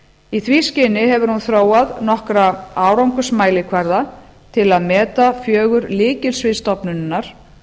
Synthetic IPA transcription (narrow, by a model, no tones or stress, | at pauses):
iθviːscɪnɪɦɛvʏɾ̥hunθɾoːwaðnɔhkɾaaːwɾawŋkʏsmaːjlɪkʰvaɾða | t̪ʰɪlaðmɛːt̪afjœːɣʏɾlɪːcɪlsvɪst̪ɔpnʏnːaɾ̥